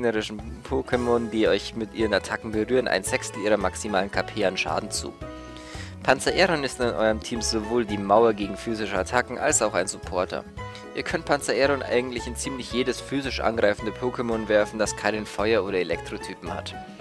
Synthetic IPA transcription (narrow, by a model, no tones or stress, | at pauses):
ɡnəʁɪʃn̩pʰokʰemonədiːɔʏçmɪtʔiːʁənatʰakŋ̩bəʁyːʁənʔa̰ɪnzɛkstl̩ʔiːʁ̞ɐmaksimaːlənkʰapʰeːalənʃa̰ːdn̩t͡sṵː | pʰant͡sɐʔɛʁɔnɪstɪnʔɔ̰ʏʁəmtʰiːmz̥ovoːldiːmaʊɐɡeːɡŋ̩fyːzɪʃəatʰakŋ̩ʔa̰lsaʊxaɪnzupʰɔɐtʰɐ̰ | ʔʔiːɐkʰœnt̚pʰant͡sɐʔɛːʁɔnʔa̰ɪɡŋ̩tlɪçɪnt͡siːmlɪçjeːdəsfyːzɪʃʔa̰nɡʁaɪfn̩dəpʰoːkʰemonvɛɐfn̩d̥askʰaɪnənfɔʏɐoːɾɐelɛk̚tʁ̥otʰyːpm̩ha̰t